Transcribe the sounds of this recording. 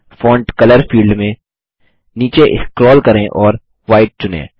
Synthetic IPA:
fɔ̃ːɳʈkɐləɾfiːlɖmẽ | niːt͡ʃeʔɪ̰kɾɔːlkɐɾẽʔɔːɾ | ʋaːɪʈ̚t͡ʃʊnḛ̃ː

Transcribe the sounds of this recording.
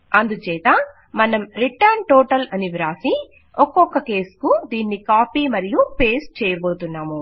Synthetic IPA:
ɐnd̪ut͡ʃɛːt̪ɐ | mɐnɐmɾiʈɐɾɳʈoːʈɐlɐniʋiɾaːsi | ɔkːɔkːɐke̞ːskud̪iːnːikaːpiːmɐɾijupe̞ːs̚t͡ʃɛːjɐboːt̪unːaːmu

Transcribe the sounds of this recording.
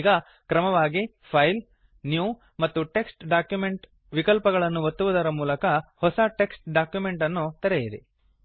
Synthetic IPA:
ɡɐ | kɾɐmɐʋaːɡi | pʰɐjl | njuː | mɐt̪ːuʈe̞ksʈɖaːkjume̞ɳʈ | ʋikɐlpɐɡɐɭɐnːuʋɐt̪ːuʋud̪ɐɾɐmuːlɐkɐhɔsɐʈe̞ksʈ̚ɖaːkjumeɳʈɐnːut̪ɐɾɛjid̪e

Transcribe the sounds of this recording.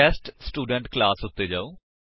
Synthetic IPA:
ɛːsʈsʈuːɖə̃ɳʈklaːsʊt̪ːeːd͡ʒaːoː

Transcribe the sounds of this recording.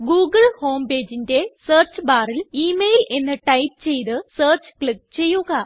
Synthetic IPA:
ɡuːɡɐɭho̞ːmpe̞ːd͡ʑinde̞səːrt͡ɕɨbaːriliːmejlʔe̞nːɨʈɐjp̚ɨt͡ɕe̞jt̪ɨseːrt͡ɕɨ̥kɭik̚t͡ɕe̞jːuɣɐ

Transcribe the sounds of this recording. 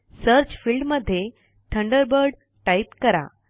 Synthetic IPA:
səɾt͡ɕfilɖməd̪ʱːje | t̪ʰəɳɖəɾbəɾɖ | ʈaipkəɾa̰

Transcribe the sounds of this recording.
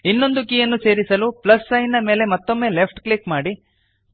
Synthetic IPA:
inːo̞nd̪ukiːjɐnːuse̞ːɾisɐluplɐsːɐjnːɐme̞ːle̞mɐt̪ːo̞mːe̞ːlepʰʈklikmaːɽi

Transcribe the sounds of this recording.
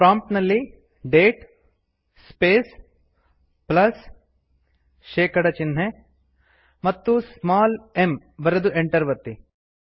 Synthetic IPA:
pɾaːmʈnɐli | ɖeːʈ | speːs | plɐs | ʃeːkɐɽɐt͡ʃɪnɦe | mɐt̪ːusmaːlem | ʋɐɾɐd̪uʔẽɳʈɐɾʋɐt̪ːi

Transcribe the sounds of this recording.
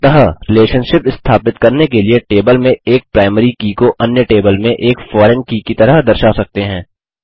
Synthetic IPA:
t̪ɐɦəɾɪleːʃənʃɪpɪst̪ʰaːpɪt̪kɐɾnekelieʈeːbəlmẽeːk̚pɾaːɪmɾikiːkoʔɐnjəʈeːbəlmẽʔeːkfɔːɾɛnkiːkit̪ɐɾəɦd̪ɐɾʃaːsɐk̚t̪eɦɛ̃ː

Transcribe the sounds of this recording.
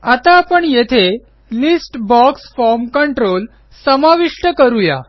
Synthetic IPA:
at̪aːpəɳjet̪ʰe | lisʈbɔksfɔɾmkəɳʈɾol | səmaʋiʂʈəkəɾuja̰

